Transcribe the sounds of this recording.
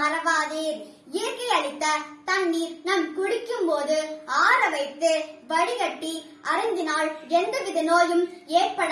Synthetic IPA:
ɐɾɐʋaːðeːɾ | iːɾkːɐɪjɐɻɪt̪ːɐt̪ɐnːiːɾnɐmkʊɽɪkːɯmpoːðɯaːɾɐʋɐɪt̪ːɯʋɐɽɪɣɐʈːi | ɐɾɐnd̪ɪnaːɭɛnd̪ɐʋɪðɐnoːjɯmeːrpɐɽ

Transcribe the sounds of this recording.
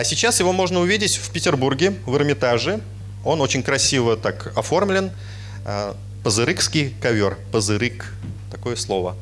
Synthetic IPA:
ɐsʲɪt͡ɕːasjɪvo̞mo̞ʐnəʊvʲidʲɪtʲfʲpʲɪtʲɪrburɡʲɪvərmʲɪt̪aʐɨ | o̞no̞t͡ɕɪnʲkɾɐsʲivət̪akɐfo̞rmlʲɪn | ə | pəzɨɾɨkskʲɪjkɐvʲo̞rpəzɨɾɨk | t̪ɐko̞jəslˠo̞və

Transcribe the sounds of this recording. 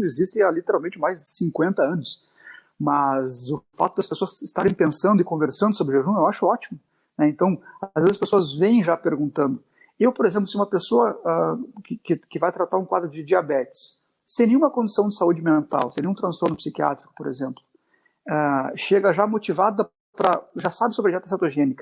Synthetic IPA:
ɪzist̪ẽj̃alit̪eɾawmẽnt͡ʃɪmajzd̪ɪsĩkwẽnt̪ɐɐ̃nʊs | mɐzʊfa̰t̪ʊd̪ɐspesoɐsɪst̪aɾẽj̃pẽsɐ̃nd̪ʊɪkõveɾsɐ̃nd̪ʊsobɾɪʒeʒũewaʃʊɔt͡ʃimʊ | nɛẽnt̪ɐ̃w̃azvezɪzɐspesoɐzvẽj̃ʒapeɾɡũnt̪ɐ̃nd̪ʊ | ewpoɾezẽmp̬lʊsɪũmɐpesoɐɛkɪkɪkɪvajt̪ɾat̪aɾũkwad̪ɾʊd͡ʒɪd͡ʒiabɛt͡ʃɪ̥sː | ẽj̃nẽj̃ũmɐkõnd͡ʒɪsɐ̃w̃d͡ʒɪsaud͡ʒɪmẽnt̪a̰wsẽnẽũt̪ɾɐ̃st̪oɾnʊpsikia̰t̪ɾikʊ̥poɾḛzẽmplʊ | ɛʃeɡɐʒamot͡ʃivad̪ɐ | pɾɐʒasabɪsobɾɪd͡ʒiat̪ɐsat̪oʒẽnikɐ

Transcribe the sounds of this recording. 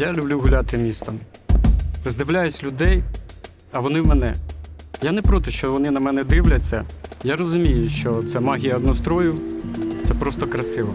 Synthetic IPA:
jalʲʊblʲuɦʊlʲat̪ɪmʲist̪ɐm | zd̪ɪʋlʲajʊsʲlʲʊd̪ɛj | ɐʋɔnɪwmɛnɛ | janɛpɾɔt̪ɪʃt͡ʃɔʋɔnɪnɐmɛnɛd̪ɪwlʲɐt͡sʲːɐjarɔzʊmʲijʊʃt͡ʃɔt̪sɛmɑɦʲijɐɐd̪nɔst̪ɾɔjʊt̪sɛpɾɔst̪ɔkɾɐsɪʋɔ

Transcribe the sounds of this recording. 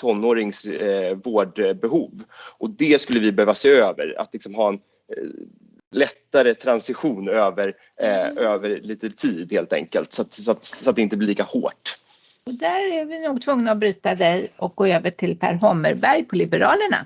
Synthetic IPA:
t̪ʰɔnːoːɾɪŋsvoːɖbɛɦuːvʔɔd̪ɛskɵlːəvɪbɛhøːvaseːøːvə̰ɾa̰t̪lɪksɔmɦɑːɛn | lɛt̪ːaɾət̪ʰɾansɪɧuːnøːvəɾ | øːvəɾɭiːt̪ət̪ʰiːd̪heːlt̪ɛ̰ŋkəlt̪sat̪sat̪sɔat̪̚d̪ɛɪnt̪əblɪliːkaho̰ːʈ | ɔd̪æɾævɪnuːɡ̚t̪ʰvɵŋnaɔbɾʉ̟ːt̪ad̪ɛjɔk̚ɡ̥oːøːvəʈʰɪlpʰæ̰ɾɦɔmːə̰ɾbæɾjpʰɔlɪbəɾɑːləɳa̰

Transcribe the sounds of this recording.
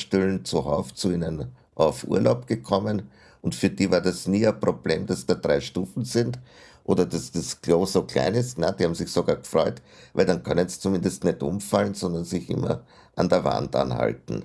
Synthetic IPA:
ʃtylnt͡suha̰ʊft͡suiːnən | ʔaʊfʔṵːɐlʔaʊpɡ̥əkʰɔmən | ʊntfyːɐdiːvaːɐdasniːɛpʁ̥obleːmdasd̥aːd̥ʁaɪʃtuːfn̩zɪndtʔo̰ːdɐdasd̥asɡ̥loːsokʰla̰ɪnɪstnad̥ihaːbm̩z̥ɪçsoɡaːɐɡ̥fʁɔʏt | væɪldankʰœnənst͡sumɪ̃ndəstnɛtʔʊ̰mfalnz̥ɔndɐnzɪçʔɪ̰mɐ̰ | ʔa̰ndeːɐva̰nta̰nha̰ltn̩

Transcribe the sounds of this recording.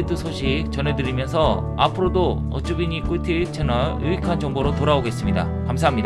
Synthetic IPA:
etʰɯsʰoɕʰik̚t͡ɕʌnɦedɯɾimjʌnsʰʌ | a̰pʰɯɾodo | ʌ̰t͡ɕ͈ubiɲik͈ʰutʰit͡ɕʰenʌɭɯikʰand͡ʑʌŋboɾotoɾaoɡe̞s͈ɯmɲida̰ | kamsʰaɦamɲida

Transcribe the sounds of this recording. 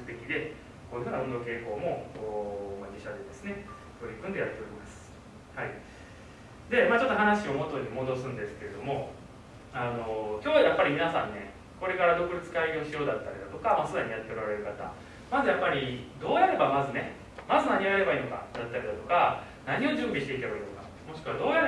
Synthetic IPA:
kɯ̟̥t̪e̞kʲid̪e̞ | ko̞ːjɯ̟hɯ̟ːnaond̪o̞ke̞ːko̞ːmo̞oːmad͡ʑiɕad̪e̞d̪e̞sɨne̞ | t̪o̞ɾʲikɯ̃nd̪e̞jat̪ːe̞oɾʲimasɨ̥ | hai | d̪e̞maːt͡ɕo̞t̪ːoɦanaɕio̞mo̞t̪ːoɲimo̞d̪o̞sɨ̃nd̪e̞sɨ̥ke̞ɾe̞d̪o̞mo̞ | ano̞kʲoːjapːaɾʲimʲinasãnːe̞ | ko̞ɾe̞kaɾad̪o̞kɯ̟ɾʲit͡sɨ̥kaio̞ɕijo̞ːd̪at̪ːaɾʲid̪at̪o̞kamasɨd̪aɲ̟ijat̪ːe̞o̞ɾaɾe̞ɾɯ̟kat̪a̰ | mazɨjapːaɾʲid̪o̞ːjaɾe̞bamazɨne̞ | mazɨnaɲ̟iaɾe̞baiːno̞ka̰d̪at̪ːaɾid̪at̪oka | naɲ̟io̞ʑɨ̃ːmbʲiɕi̥t̪e̞it̪abaɾinoka̰ | mo̞ɕi̥kɯ̟βad̪o̞ːjaɾe

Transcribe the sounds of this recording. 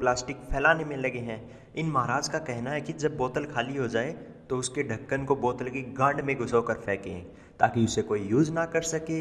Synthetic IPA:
plaːsʈɪkpʰɛːlaːnemẽlɐɡeɦɛ̃ː | ɪnmɐɦaɾaːd͡ʒkakɛɦnaɦɛkid͡ʒɐbːɔːt̪əlkʰaːliɦod͡ʒaːet̪oʊskeɖʱɐkːənkobɔːt̪əlkiɡɐ̃ːɳɖmẽɡʱʊsoːkɐɾfʰɛːkḛ̃ː | t̪a̰ːkiʊsekoːijuːd͡ʒnɐkɐɾsɐkeː

